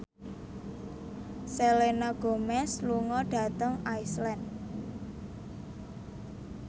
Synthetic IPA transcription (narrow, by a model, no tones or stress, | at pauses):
selenaɡ̥o̤mɛsluŋɔɖ̥ä̤t̪əŋajslɛn